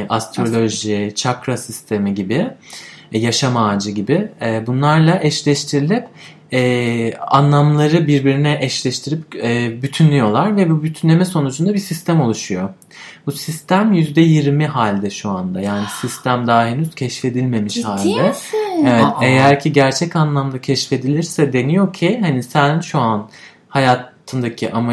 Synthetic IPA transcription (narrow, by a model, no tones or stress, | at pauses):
ʔast̪ɾo̞lʲo̞ʒit͡ʃʰakɾasist̪ʰe̞miɟibɪ | jaʃamaːd͡ʒɯɟibɪbunlˠaɾlˠaʔɛʃlʲɛʃt̪ʰiɾilʲip | ɛːa̰nlˠamlˠaɾɯbiɾbiɾinɛʔɛʃlʲɛʃt̪ʰiɾipːbyt̪ʰynlʲyjo̞lˠaɾvɛbubyt̪ʰynlʲe̞mɛso̞nud͡ʒund̪abisist̪ʰæmo̞lˠuʃujo̞ | busist̪ʰæmjyzd̪ɛjiɾmiɦaːlʲd̪ɛʃuand̪ajaːnisist̪ʰæmd̪aːɦenyz̥cʰɛʃfe̞d̪ilʲme̞miʃhaːlʲd̪ɛevɛt̪ejæɾcʰiɟæɾt͡ʃʰɛcanlˠamd̪acʰɛʃfe̞d̪ilʲiɾsɛd̪e̞nijo̞cʰihanisænʃuan | hajaːt̪ʰɯnd̪acʰiʔama